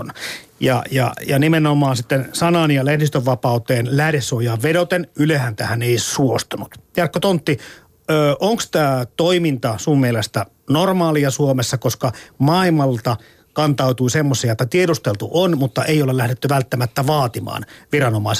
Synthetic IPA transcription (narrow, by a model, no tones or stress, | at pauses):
n | jɑ̰jɑ̰jɑnimenomɑːnsit̪ːensɑnɑnjɑlehnist̪øʋːɑpɑˑut̪eːnlæhdesːojɑːʋʋedot̪enylehænt̪æhæneisuost̪ɑnut̪jɑrkːot̪ont̪ːi | øːʔoŋkst̪æːt̪oimint̪ɑsummielest̪æ | normɑːliɑsuomesːɑkoskɑmɑimɑlt̪ɑ | kɑnt̪ɑut̪uisemːosiɑot̪ːɑt̪iedust̪elt̪uʔonmut̪ːɑʔeiolelæhɾet̪ːyʋælt̪ːæmæt̪ːæʋɑːt̪imɑ̰ːnʋirɑnomɑis